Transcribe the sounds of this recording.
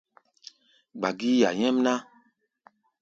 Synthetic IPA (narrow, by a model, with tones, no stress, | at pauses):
ɡ͡ba˨ɡi˦ja˨ɲɛ̃˦m˦nã˦